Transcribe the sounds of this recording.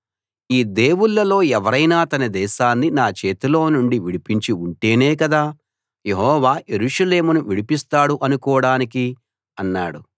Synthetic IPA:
iːd̪e̞ːwuɭːɐlo̞ːɛʋɐɾɐjnaːt̪ɐnɐd̪ɛːʃaːnːinaːt͡ʃe̞ːt̪ilo̞ːnuɳɖiʋiɽipiɲt͡ʃiuɳʈe̞ːneːk̬ɐd̪aː | je̞ɦɔːʋaːje̞ɾuːʂɐle̞ːmunuʋiɽipist̪aːɽuʔɐnukɔːɽaːniki | ɐnːaːɽu

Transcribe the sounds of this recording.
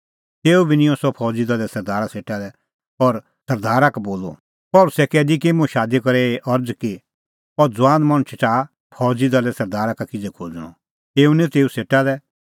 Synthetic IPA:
t̪eːubinɪ̃jɔ̃sɔpʰɔːd͡zid̪ɐlɛsɐɾd̪aːɾaseːʈalɛ | ɔɾ | sɐɾd̪aːɾakboːlo̰ | pɐlʊsɛkɛːd̪ikimũʃaːd̪ikɔɾɛeʔɔɾd͡zki | ɔɾd͡zʊãːnd̪mɐɽ̃t͡ʃʰɪtaː | pʰɔːd͡zid̪alɛsɐɾd̪aːɾakakɪd͡zɛkʰoːd͡zɽ̃ɔ̰ | t̪eːunit̪eːuseːʈalɛ

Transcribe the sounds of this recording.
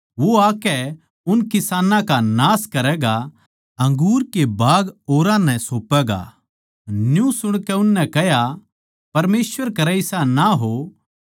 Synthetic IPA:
ʋoaːkɛ | ʊnkɪsaːnãkanaːskɐɾɛːɡa | ɐ̃ŋɡuːɾkebaːɡoːɾãnɛ̃soːpɛɡa̰ | njũsʊɽ̃kɛʊnːɛ̃kɛɦja | pɐɾmeːsʋəɾkɐɾɛɪsanaɦo

